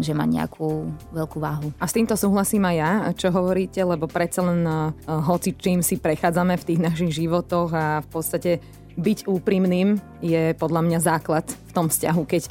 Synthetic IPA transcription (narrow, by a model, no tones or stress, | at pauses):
ʒɛma̰ɲɛ̰a̰kʰuːʋɛʎkuːʋaːɦuast̪iːmt̪ɔsuːɦlasiːmajjat͡ʃɔɦɔʋɔɾiːcɛlɛbɔpɾɛt̪t͡salɛnɦɔt͡sit͡ʃiːmsipɾɛxaːd͡zamɛft̪iːɣnaʃiɣʒiʋɔt̪ɔɣafpɔt̪st̪acɛ | biɟuːpɾimniːm | jɛpɔd̪ʎamɲazaːklat̪ft̪ɔmfsca̰ɦukɛc